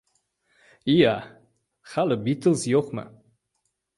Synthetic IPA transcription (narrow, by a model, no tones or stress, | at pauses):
ia | χaləbit̪əlˠsjoχmə̰